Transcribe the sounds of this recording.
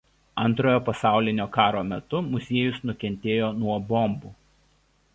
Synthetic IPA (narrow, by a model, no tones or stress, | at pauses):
ɐnt̪ɾoːjoːpɐsɑˑʊlʲɪnʲoːkɑːɾoːmʲɛt̪ʊmʊzʲeɛjʊsnʊkʲɛnʲt̪ʲeːjoːnuɔbɔmbuː